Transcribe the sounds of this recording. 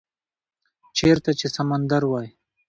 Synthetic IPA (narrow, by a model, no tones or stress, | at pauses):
t͡ʃeɾt̪at͡ʃesamand̪aɾwɑj